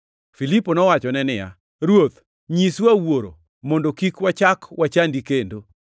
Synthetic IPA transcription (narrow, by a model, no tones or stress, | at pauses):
filiponɔwat͡ʃɔnɛnɪja̰ | ɾwot̪ | ɲiswawoɾo̰ | mɔndokikwat͡ʃakwat͡ʃandikendo